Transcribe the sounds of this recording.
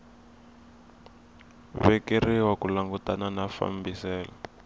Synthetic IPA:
βɛkiriwakulaŋɡutananafa̰mbisɛːlɔ

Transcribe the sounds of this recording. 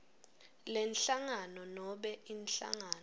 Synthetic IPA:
lɛnɬaŋanɔnɔɓɛʔinɬa̰ŋaːn

